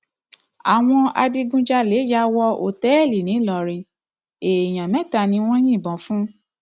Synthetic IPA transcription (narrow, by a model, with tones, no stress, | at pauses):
a˨w̃ɔ̃˧a̰˧di˧ɡũ˧d͡ʒa˧le˨˦ja˧˦wɔ˧o̰˨tɛ˨˦ɛ˦˨li˨nĩ˨˦lɔ˨˧ɾĩ˧ | e˨j̃ã˨mɛ̃˨˦˨ta˧˨nĩ˧w̃ɔ̃˦j̃ĩ˦˨bɔ̃˨˦fũ˦